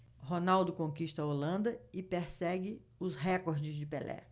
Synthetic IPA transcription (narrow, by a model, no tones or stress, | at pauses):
ɦonawd̪ʊkõkiʃt̪ɐolɐ̃nd̪ɐɪpeɾsɛɡɪ | ʊsɦɛkoɾd͡ʒɪzd͡ʒɪpelʔɛ̰